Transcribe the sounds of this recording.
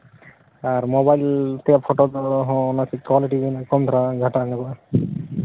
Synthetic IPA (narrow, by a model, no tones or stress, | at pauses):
aɾmobajlt̪eappʰɔʈod̪ɔɦɔ̃nasikwaliʈinkɔnt̪ʰɾaɡʱaʈaŋɛba